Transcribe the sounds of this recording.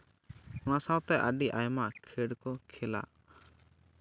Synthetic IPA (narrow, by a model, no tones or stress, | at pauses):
ɔnasawt̪ɛʔəɖiʔajmakʰɛɖkɔkʰɛla̰